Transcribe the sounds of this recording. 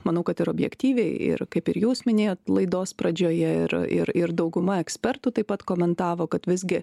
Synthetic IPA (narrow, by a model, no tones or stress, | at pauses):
mɐnɐʊkɐt̪ɪɾoːbʲjɛ̰kt̪ʲiːʋʲɛɪɪ̰ɾkɐɪpɪɾjuːsmʲɪnʲeːjoːt̪lˠɐɪd̪oːspɾɐd͡ʒʲoːjɛɪɾɪ̰ɾɪɾd̪ɐʊɡʊmɐɛksʲpʲɛɾt̪uːt̪ɐɪpɐt̪koːmʲɛnt̪ɑːʋoːkɐt̪ʋʲɪzʲɡʲɪ